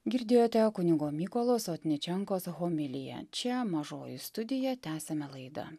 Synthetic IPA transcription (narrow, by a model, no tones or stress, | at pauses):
ɡʲɪɾʲd̪ʲeːjoːt̪ʲɛkʊnʲɪɡoːmʲiːkoːlˠoːsoːt̪ʲnʲɪt͡ʃʲɛŋkoːsɣoːmʲɪlʲɪjɛ̰t͡ʃʲɛmɐʒoːjɪst̪ʊd̪ʲɪjɛt̪ʲæːsʲɛmʲɛlˠɐɪd̪ɐ̰